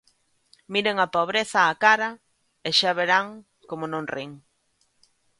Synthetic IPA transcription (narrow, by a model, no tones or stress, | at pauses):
miɾeŋapoβ̞ɾeθɐːkaɾɐ | eʃaβeɾaŋ | komʊnõŋrʔiŋ